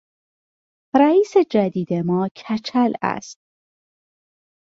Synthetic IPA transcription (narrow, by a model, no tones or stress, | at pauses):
ɾæiːsed͡ʒæd̪iːd̪emɒːcʰæt͡ʃʰælæ̰st̪̚